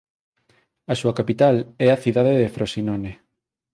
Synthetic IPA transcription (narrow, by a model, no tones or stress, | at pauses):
ɐsuakapit̪alɛaθiðaðeðefɾosinɔne